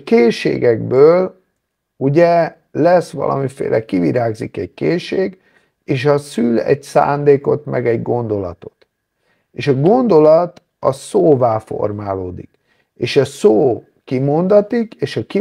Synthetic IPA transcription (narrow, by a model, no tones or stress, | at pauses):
keːʃḛːɡɛɡbøːl | uɟɛ | lɛsʋɒ̰lʔɒ̰mifḛːlʔɛkiviɾaːɡzḭkɛckeːʃeːɡ | eːʃ̬ɒsylɛ̰ɟsa̰ːnd̪eːko̞t̪mɛɡɛɟɡo̞nd̪o̞lɒt̪o̞t̪ | eːʃɒɡo̞nd̪o̞lɒt̪ | ɒsoːvaːfo̰rmaːloːd̪ik | eːʃɒsoː | kimo̞nd̪ɒt̪ikeːʃɒki